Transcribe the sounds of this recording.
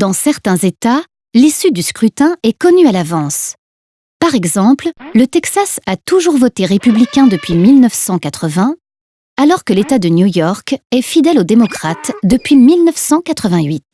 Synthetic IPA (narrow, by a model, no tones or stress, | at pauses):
d̪̥ɑ̃sɛʁt̪ɛ̃zet̪a | lisyd̪yskχyt̪ɛ̃ɛkɔnyalavɑ̃s | paʁɛɡzɑ̃pllət̪ɛksasat̪uʒuʁvɔt̪eʁepyblikʲɛ̃d̪əpɥimilnœfsɑ̃kat̪χəvɛ̃ | alɔʁkəlet̪ad̪ənjujɔʁkɛfid̪ɛlod̪emɔkχat̪d̪əpɥimilnəfsɑ̃kat̪χəvɛ̃ɥit̪